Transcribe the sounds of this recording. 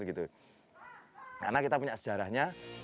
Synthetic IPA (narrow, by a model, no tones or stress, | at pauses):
rɡit̪u | ka̰rnakit̪apuɲaʔsə̥d͡ʒaɾahɲa